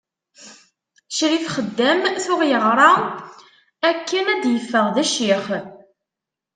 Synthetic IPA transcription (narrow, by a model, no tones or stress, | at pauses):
ʃɾiθχəd̪ːæmθʊʁjəʁɾˤɑ | ækːənæd̪jəfːəʁðæʃiχ